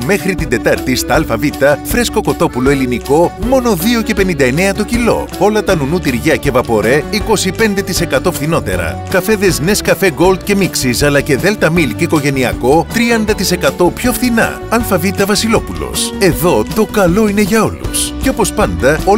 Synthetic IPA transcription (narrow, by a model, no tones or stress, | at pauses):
me̞xɾit̪ind̪e̞t̪ɐɾt̪ist̪ɐɐlfɐvit̪ɐfɾe̞sko̞ko̞t̪o̞pulo̞e̞liniko̞mo̞no̞ðio̞ce̞pe̞nind̪ɐene̞ɐt̪ocilo̞̰o̞lɐt̪ɐnunut̪iɾʝɐce̞vɐpo̞ɾe̞iko̞sipe̞nd̪e̞t̪ise̞kɐt̪o̞fθino̞t̪e̞̰ɾɐ̰kɐfe̞ðezne̞skɐfe̞ɡo̞ld̪̚ce̞miksisɐlɐce̞ðe̞lt̪ɐmilkiko̞ʝe̞niɐko̞t̪ɾiɐnd̪ɐt̪ise̞kɐt̪o̞pço̞fθinɐ̰ | ɐlfɐvit̪ɐvɐsilo̞pulo̞̰se̞ðo̞t̪o̞kɐlo̞ine̞ʝɐo̞lṵsceo̞po̞spɐnd̪ɐo